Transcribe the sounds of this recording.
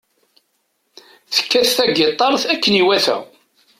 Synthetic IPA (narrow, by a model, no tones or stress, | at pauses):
θə̥kːæθθæɡet̪ˤːɑɾˤθækːəniwæθæ̰